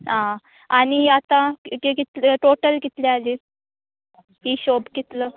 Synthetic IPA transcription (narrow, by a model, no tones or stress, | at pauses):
ɦã | aniat̪ãkekit̪ləʈoʈəlkit̪liali | ɦiːɕobkit̪lə